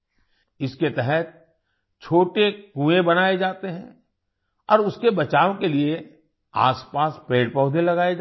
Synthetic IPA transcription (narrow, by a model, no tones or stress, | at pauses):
ɪsket̪ɛɦɛt̪̚ | t͡ʃʰoːʈekũːẽbɐnaːed͡ʒaːt̪eɦɛ̰̃ | ɔːɾʊskebɐt͡ʃaːʋõkelie | a̰ːspaːspeːɽpɔʊd̪ʱelɐɡaːe